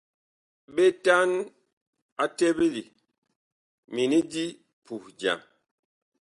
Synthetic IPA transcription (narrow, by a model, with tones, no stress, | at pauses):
ɓe˦ta˦n | a˦te˦be˦li˨ | mi˨ni˦di˦ | pu˨hd͡ʒa̰˨ŋ